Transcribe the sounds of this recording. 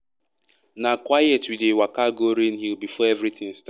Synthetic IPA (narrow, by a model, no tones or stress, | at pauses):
nakwajɛtwidewakaɡoɾinɦiwbifɔɛvɾit̪ʰɪ̃ŋst